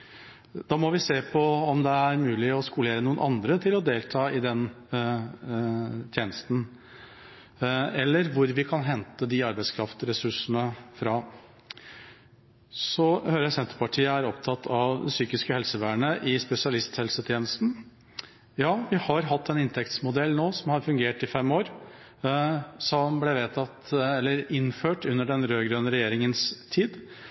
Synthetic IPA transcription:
d̪̥ɑːmɔʋɪseːpʰɔɔmd̪ɛæɾmʉːlɪɔskʊleːɾənuːənʔɑnd̪ɾət̪ʰɪlɔd̪eːlt̪ʰɑːɪd̪ɛn | t̪ʰjeːnəst̪n̩ | ɛlːəɾʋʊɾʋɪkʰɑnɦɛnt̪əd̪ɪɑɾbæɪskʰɾɑft̪ɾɛsʉʂənəfɾɑ | sɔhøɾəsɛnt̪əɾpɑʈʰiːəæɾɔpt̪ʰɑt̪ʰːɑʋd̪ɛ̰syːkɪskəhɛlsəʋæːɳəʔɪspɛsɪɑlɪst̪hɛlsət̪ʰjeːnəst̪n̩ | jɑːʋɪhɑɾɦɑt̪ːɛnɪnt̪ʰɛkt̪smʊd̪ɛlːnoːsɔmhɑɾfʉŋɡeːʈɪfɛmoːɾ | sɔmblɛʋeːt̪ʰɑt̪ɛlːəɾɪnføːʈʉnːəɖɛnɾøːɡɾønəɾɛjeːɾɪŋənst̪ʰiːd̪

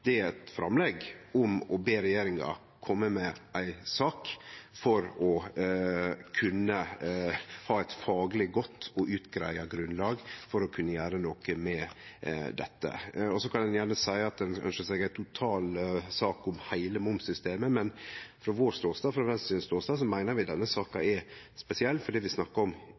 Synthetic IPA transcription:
d̪̥ɛæɾɛt̪fɾɑ̰mlɛɡʊmɔbeːɾɛjeːɾɪŋɑ̰ | kʰɔmːəmɛʔæɪsɑːkfɔɾɔ | kʰʉnːə | hɑːæɪt̪fɑːɡlɪɡɔt̪ːɔʔʉːt̪ɡɾæ̰ɪɑɡɾʉnlɑːɡfɔɾɔkʰʉnːəjæːɾənoːkəmɛ | d̪ɛ̰t̪ːə̰ɔsɔkʰɑnd̪ɛnjæːɳəsæɪɑt̪̚d̪ɛnœ̰nʂəsɛɡæɪt̪ʰʊt̪ʰɑːlsɑːkʊmhæɪləmʊmsʏst̪eːməmɛnfɾɔʋoːst̪oːst̪ɑːfɾɑʋɛnssiːd̪n̩st̪oːst̪ɑːs̬ɔmæɪnəɾʋɪd̪ɛnːəsɑːkɑɛ | spɛsɪɛlːfɔɖiːʋɪsnɑkːɑɔm

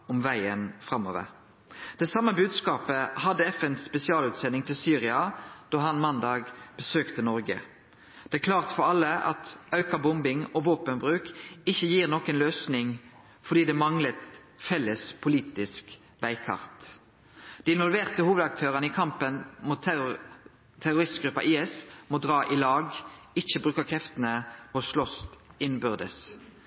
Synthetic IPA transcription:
ɔmʋæɪənfɾɑmːɔ̰ːʋə̰ɾ | d̪̥ɛsɑmːəbʉːd̪skɑːpəhɑd̪ːəɛfɛnspɛsɪɑːlʉːt̪sɛnːɪŋt̪ʰɪlsyːʁɪɑd̪̥ɑːhɑnmɑnd̪ɑːɡb̥əsøːkt̪ənɔɾɡə̰ | d̪̥ɛækʰlɑːʁt̪fɔɾɑlːəɑ̰t̪ɑʉkɑbʊmbɪŋɔʋoːpənbʁʉːkɪçːəjiːʁnoːkənløːsnɪŋ | fɔʁd̪iːd̪ɛːmɑŋlət̪ | fɛlːəspʰʊliːt̪ɪsk | ʋæɪkʰɑ̰ʁt̪ | d̪̥ɪɪnʋɔlʋeːʁt̪əhuːʋəd̪ɑk̚t̪ʰøːʁənəɪkʰɑmpənmuːt̪ | t̪ʰːæʁʊɾɪst̪ɡʁʉpːɑ̰ʔiːɛsmoːd̪ʁɑːʔɪlɑːɡ | ɪçəbʁʉːkəkʰʁɛft̪ənəɔsʃlɔst̪ɪnbʏʁd̪ə̰s

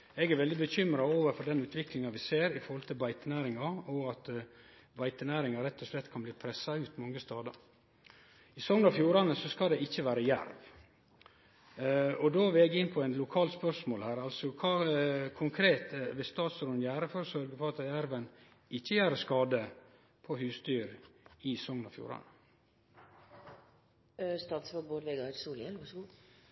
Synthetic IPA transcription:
ɛɡæɾʋɛld̪ɪbəçʏmɾɑoːʋəɾfɔɖɛnʉːt̪ʰʋɪklɪŋɑʋɪseːɾɪfɔɾhɔlt̪ʰɪlbɑɪt̪ənæːɾɪŋɑɔɑt̪ | bɑɪt̪ənæːɾɪŋɑɾɛt̪ːɔʂlɛt̪ːkʰɑnbliːpʰɾɛsɑʉːt̪mɔŋːəst̪ɑːd̪ɑ | ɪsɔŋnɑfjuːɾɑnəsɔskɑld̪ɛɪçːəʋæːɾəjæ̰ɾʋ | ɔd̪oːʋɛɛɡɪnːpʰɔɛɪnlʊkʰɑːlspœɾʂmoːlhæːɾɑlsɔkʰɑːkʰʊŋkʰɾeːt̪əʋɛst̪ɑːt̪sɾʊnjæːɾəfɔɾsœɾɡəpɔɑt̪jæɾʋən | ɪçːəjæːɾəskɑːd̪ə | pʰɔhʉːst̪yːɾɪsɔŋnɑ̰fjṵːɾɑ̰nə | st̪ɑːt̪sʋɔɡboːd̪ʋeɡɑɾsuːlɛlʋɑʂɡuː

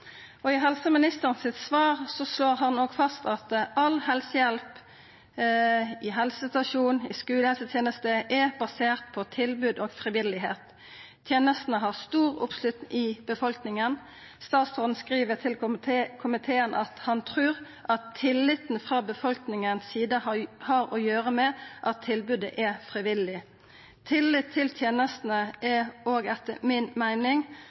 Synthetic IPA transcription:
ɔɪɦɛlsəmɪnɪst̪əʁənsɪt̪sʋɑːʁsɔsloːʁɦɑnːoːɡfɑst̪ɑt̪ʔɑlɦɛlsəjɛlp | ɪɦɛlsəsɪt̪ɑʂuːnɪ̰skʉːləhɛlsət̪ʰjeːnəst̪əʔɛbɑseːʁt̪̚pʰɔt̪ʰɪlbʉːd̪oːɡfʁɪʋɪlɪɦeːt̪ʰː | jeːnəst̪n̩əɦɑʁst̪uːʁʊ̰pslʉt̪nɪb̥əfɔlknɪŋən | st̪ɑːt̪sɔnn̩skʁiːʋət̪ʰɪlkʰʊmɪt̪ʰeːənʔɑt̪hɑnt̪ʰʁʉːʁ | ʔɑt̪ʰːɪlːɪt̪n̩fʁɑːbəfɔlknɪŋənsiːd̪əhɑːɾɔjøːʁəmɛʔɑt̪ʰːɪlbʉːd̪ə̰ʔɛfʁɪʋɪlːɪ | t̪ʰɪlːɪt̪ʰːɪlt̪ʰjeːnəst̪n̩əʔɛoːɡɛt̪ːəmɪnmæɪnɪŋ

